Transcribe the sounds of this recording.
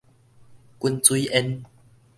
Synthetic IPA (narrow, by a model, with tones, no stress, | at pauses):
ku˦nt͡swu˦ʔɛ˧n